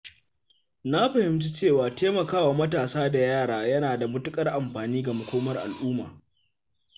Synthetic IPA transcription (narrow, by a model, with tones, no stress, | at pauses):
na˦ɸɐ˨hɪ˦mt͡ʃi˦t͡ʃeː˦˨waː˨teː˦mɐ˨kaː˦waː˨mɐ˦taː˨saː˦da˨jaː˦˨ɽaː˦jɐ˦naː˨da˨bʊ˦tʊ˦kʼɐ˦rʔa˨mɸaː˨niː˦ɡa˨mʊ˨kʷoː˦mɐ˦rʔa̰˨lʔuː˦ma̰ː˨